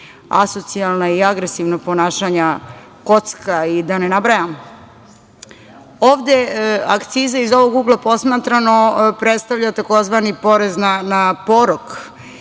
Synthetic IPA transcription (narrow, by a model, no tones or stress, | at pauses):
a̰so̞t̪sialˠnaiaɡɾesiʋnaponaːʃaɲa | ko̞t̪skaid̪anenabɾajam | oːʋd̪ea̰kt̪siːzaizo̞ʋoɡuɡlˠapo̞smaːt̪ɾano̞pɾet̪st̪aʋʎat̪ako̞zʋanipo̞ɾeznanapoɾok